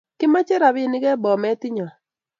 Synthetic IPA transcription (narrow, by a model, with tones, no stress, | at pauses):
kɪ˦ma˦t͡ʃe˦ɾa˨βɪ˦˨nɪ˦ɣɛ˦bɔ˨mɛ˦ti˦ɲɔ˨